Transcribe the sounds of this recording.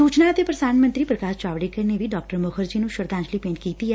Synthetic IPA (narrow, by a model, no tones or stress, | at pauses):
ut͡ʃnat̪epɾəsanmənt̪ɾipɾəkaʃt͡ʃaʋɽikəɾneʋiɖɔk̚ʈəɾməkʰəɾd͡ʒinũʃəɾd̪ãt͡ʃlipẽɳʈkit̪iɦɛ